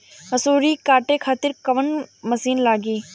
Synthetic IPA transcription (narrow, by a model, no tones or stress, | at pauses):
ɦɐsuːɾikaːʈekʰaːt̪ɪɾkɐʋənmɐsiːnlaːɡiː